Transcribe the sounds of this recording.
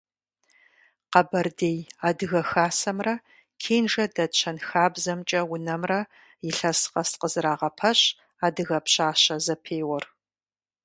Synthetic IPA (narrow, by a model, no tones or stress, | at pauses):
qɐbɐrdeːjaːdɨɣɐxaːsɐmrɐ | kʰeːnʐɐdɐt͡ʃʰɐnxaːbzɐmt͡ʃʼɐwʊnɐmrɐ | jɪɬɐsqɐsqəzɨɾaːʁɐpʰɐɕ | aːdɨɣɐpɕaːɕɐzɐpʰeːwɔr